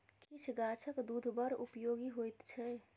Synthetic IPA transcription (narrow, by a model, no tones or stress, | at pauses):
kit͡ʃʰɡat͡ʃʰəkd̪ud̪ʱbəɾṵpjoːɡiɦojt̪t͡ʃʰɛ